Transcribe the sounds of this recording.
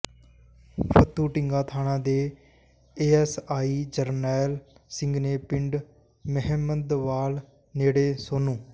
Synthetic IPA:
pʰət̪ːuːʈɪŋɡãːt̪ʰaːnãːd̪eː | eːɛːsaːiːd͡ʒəɾnɛːlsɪ̃ŋɡneːpɪɳɖ | məɦɛːməd̪ʋaːl | neːɽeːsoːnũː

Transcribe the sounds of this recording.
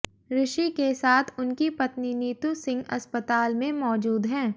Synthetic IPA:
ɾɪʃikesaːt̪ʰʊnkipɐt̪niniːt̪usɪ̃ŋɡɐspət̪aːlmẽmɔːd͡ʒuːd̪ɦɛ̃ː

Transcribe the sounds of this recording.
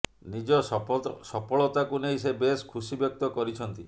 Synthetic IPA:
nid͡ʒɔsɔpɔɭɔt̪akunejsebeskʰusibjɔk̚t̪ɔkɔɾit͡ʃʰɔnt̪i

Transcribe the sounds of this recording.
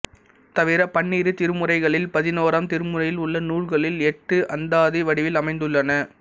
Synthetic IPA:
t̪ɐʋɪɾɐpɐɳːiːɾɯt̪ɪɾɯmɯɾɐɪɣɐɭɪlpɐðɪnoːɾɐmt̪ɪɾɯmɯɾɐjɪlʊɭːɐnuːɭɣɐɭɪlɛʈːɯʔɐnd̪aːðiʋɐɽɪʋɪlɐmɐɪnd̪ɯɭːɐnɐ

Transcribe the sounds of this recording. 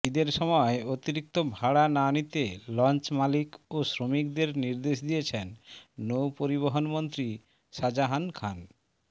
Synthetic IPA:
id̪eɾʃɔmɔeot̪iɾik̚t̪obʱaɽananit̪elɔnt͡ɕmalikosɾomik̚d̪eɾniɾd̪eʃd̪ijet͡ɕʰenːowpoɾiβoɦonmont̪ɾi | ʃad͡ʑaɦankʰan

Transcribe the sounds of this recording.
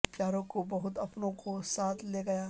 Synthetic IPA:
pjaːɾõkobɐɦʊt̪ɐpnõkosaːt̪ʰleːɡɐjaː

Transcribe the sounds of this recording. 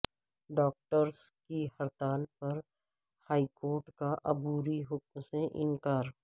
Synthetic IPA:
ɖɔːk̚ʈəɾskihɐɾt̪aːlpɐɾ | haːikoːɾʈkaʔɐbuːɾiɦʊk̚mseʔɪnkaːɾ

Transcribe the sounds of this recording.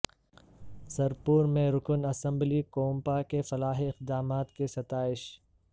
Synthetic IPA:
sɐɾpuːɾmẽɾʊkənɐsə̃mblikoːmpakefɐlaːɦeɪqd̪aːmaːt̪kesɐt̪aːɪʃ

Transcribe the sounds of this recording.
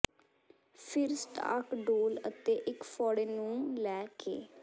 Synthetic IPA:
pʰɪɾsʈa̰ːkɖoːlət̪eːʔɪkfʰɔːɽeːnũːlɛːkḛː

